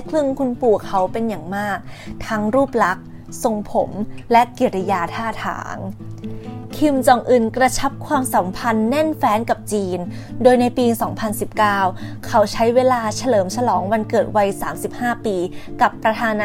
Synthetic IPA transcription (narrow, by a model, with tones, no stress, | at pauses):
kʰlɯ˥˩ə˨ŋkʰu˧npu˨˩əkʰːa˩˦wpe˧njaː˨˩ŋmaː˥˩k̚t̪ʰa˦˥ŋɾuː˥˩p̚la˦˥k̚ | so˨˧ŋpʰo̰˨˩˦mlɛ˦˥ʔki˨˩ɾa˧jaː˧t̪ʰaː˥˩t̪ʰa̰ː˩˦ŋ | kʰi˧mt͡ɕɔː˨˩ŋʔɯ˧˩nkɾa˧t͡ɕʰa˦˥p̚kʰwaː˧msa˩˦mpʰa˧nːɛ˥˩nfɛː˦˥nka˨˩p̚t͡ɕiː˧n | doː˧jna˧jpiː˧sɔː˩˦ŋpʰa˧nsi˨˩p̚kaː˥˩wkʰa˩˥wt͡ɕʰa˦˥jweː˧laː˧t͡ɕʰa˧lɤː˩˦mt͡ɕʰa˧lɔː˩˦ŋwa˧nkɤː˨˩t̪̚wa˧jsaː˩˦msi˨˩p̚haː˥˩piː˧ka˨˩pːɾa˧t̪ʰaː˧n˦